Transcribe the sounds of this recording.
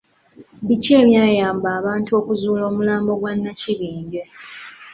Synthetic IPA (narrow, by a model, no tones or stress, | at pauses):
bice̞ːmjaːjaːmbaːβaːntuo̞kuzuːlo̞ːmulaːmbo̞ɡwanːaciβiːɲɡe